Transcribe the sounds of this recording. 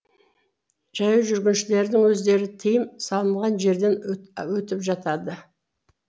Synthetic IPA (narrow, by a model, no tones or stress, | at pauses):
ʒɑjəʒʏɾɡʲɪnʃɪle̞ɾd̪ɪŋwɵzd̪e̞ɾɪt̪ʰijɪmsɑlˠəɴʁɑnʒe̞ɾd̪e̞nwɵt̪ɪpʒɑt̪ɑd̪ə